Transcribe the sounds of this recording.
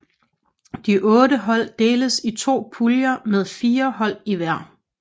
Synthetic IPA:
d̥iʔɔ̽ːɾəɦɒ̽l̰d̥e̝ːləsit͡sʰo̝̰ːpʰuljɐmeðˠfiːɐɦɒ̽l̰iʋæɐ̰

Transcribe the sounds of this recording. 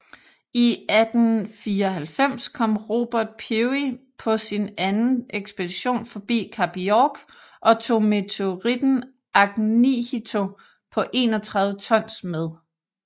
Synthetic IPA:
iæd̥n̩fiːɐɒɦælfem̰skʰɒ̽m̰ʁo̝ːb̥æɐd̥̚pʰiipʰɒ̽sinænn̩eɡ̥sb̥e̝d̥iɕo̝̰ːnfɒ̽b̥ḭːkʰæb̥iɒɡ̥ | ʔɒ̽t͡sʰo̝̰ːme̝t͡sʰeoʁid̥n̩ | ʔɑ̈ɡ̥nihit͡sʰo̝ | pʰɒ̽ʔe̝̰ːnɒt͡sʰʁɑ̈ð̞ˠʋət͡sʰɒ̽n̰smeð̞ˠ

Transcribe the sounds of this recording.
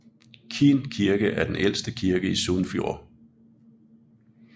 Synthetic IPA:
kʰinkʰiɐɡ̥əʔæɐd̥enʔel̰sd̥əkʰiɐɡ̥əisoːnfjo̝̰ːɐ

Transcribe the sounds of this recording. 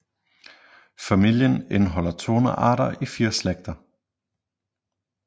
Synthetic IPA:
fæmil̰jənenɦɒ̽l̰ɐt͡sʰo̝ːnəʔɑ̰̈ːɾɐʔifiːɐsleɡ̥̚d̥ɐ

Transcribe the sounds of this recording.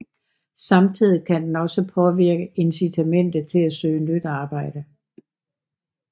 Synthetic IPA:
sɑ̈mt͡sʰið̞̰ˠikʰænd̥enɒ̽səpʰɒ̽ʋiɐɡ̥əe̝nsit͡sʰæmen̰d̥ð̩ˠt͡sʰe̝læsø̰ːnyd̥ɑ̈ːb̥ɑ̈ɪ̰d̥ə

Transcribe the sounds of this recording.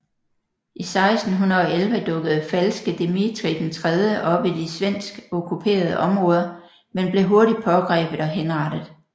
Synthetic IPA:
ʔisɑ̈ɪsd̥n̩ɦunðɐɒ̽elʋəd̥ɔ̽ɡ̥ð̞̩ˠfælsɡ̥əd̥e̝mit͡sʰʁid̥ent͡sʰʁɛð̞ˠjəʔɒ̽b̥id̥isʋen̰sɡ̥ɔkʰupʰe̝̰ːɐð̞ˠəʔɒ̽mʁɔ̽ːð̞ˠɐ | menb̥le̝ɦo̝ɐɾid̥̚pʰɒ̽ɡ̥ʁɛ̰ːb̥ð̩ˠɒ̽ɦenʁɑɾ̥əð̩ˠ

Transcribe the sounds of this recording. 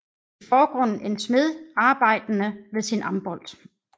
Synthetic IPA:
t͡sʰefɒːɡ̥ʁɔ̽n̰n̩e̝nsme̝ðˠɑ̈ːb̥ɑ̈ɪ̰d̥ənəʋe̝ðsinʔɑ̈mb̥ɒ̽l̰d̥

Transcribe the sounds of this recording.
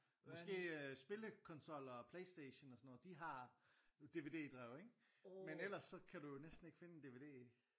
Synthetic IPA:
mɒsɡ̥e̝̰ːsb̥e̝ləkʰɒ̽nsɒ̽l̰ɒpʰleɪsd̥eɕnɒsɒnːɔ̽ð̩ˠd̥iɦɑ̈ | d̥e̝ʋe̝ːd̥e̝̰ːd̥ʁɛʊeŋ̥ | menel̰ɐsːɒ̽kʰæd̥ujo̝nesd̥n̩e̝ɡ̥fe̝nəe̝nd̥e̝ʋe̝d̥e̝̰ː

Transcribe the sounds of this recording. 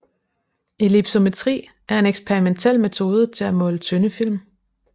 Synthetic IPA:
e̝lib̥so̝me̝t͡sʰʁḭː | ʔæɐe̝neɡ̥spʰeʁiment͡sʰel̰met͡sʰo̝ːð̞ˠət͡sʰe̝læmɔ̽ːlət͡sʰønəfil̰m

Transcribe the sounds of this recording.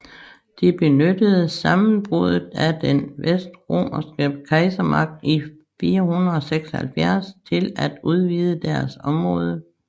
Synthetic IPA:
d̥ib̥e̝nød̥əð̞̩ˠsɑ̈mn̩b̥ʁuð̞ˠð̩ˠæd̥enʋesd̥ʁo̝̰ːmɐsɡ̥əkʰɑ̈ɪsɐmɑ̈ɡ̥̚d̥i | fiːɐɦunð̩ˠɒ̽seɡ̥sɒhælfjæɐ̰st͡sʰe̝læd̥uð̞ˠʋiːð̞ˠəd̥æɐsɒ̽mʁɔ̽ːð̞ˠə

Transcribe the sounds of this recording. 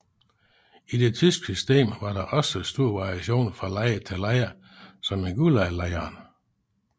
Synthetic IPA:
id̥e̝t͡sʰysɡ̥sysd̥e̝̰ːmʋɑ̈ɾ̥ɑ̈ʔɒ̽səsd̥uɐ̰ʋɑ̈ʁiæɕo̝̰ːnfʁɑ̈lɑɪət͡sʰelæɪɐ | sɒ̽meɡ̥ulælæɪɐːn

